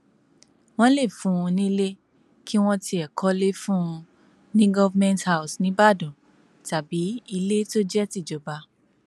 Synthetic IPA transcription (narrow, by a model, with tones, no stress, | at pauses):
w̃ɔ̃˦le˦˨fũ˨˦ũ˧nĩ˦le˦ | kʰi˦w̃ɔ̃˦ti˧ɛ˨kɔ˦le˦fũ˦˧ | nĩ˦ɡɔ˦vmɛ̃˦ntha˦u˨snĩ˦ba˦˨dɔ̃˨ | ta˨bi˨˦i˧le˦to˦d͡ʒɛ˦ti˦˨d͡ʒɔ˨ba˧